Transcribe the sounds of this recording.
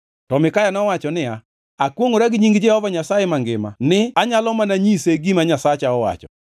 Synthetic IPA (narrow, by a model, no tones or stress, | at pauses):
tɔmɪkajanɔwat͡ʃɔnɪa | akwoŋoɾaɡɪɲiŋɡɪd͡ʒɛhɔvaɲasajɛmaŋɡɪ̰ma̰nɪaɲalɔmanaɲiseɡimaɲasat͡ʃaɔwa̰t͡ʃɔ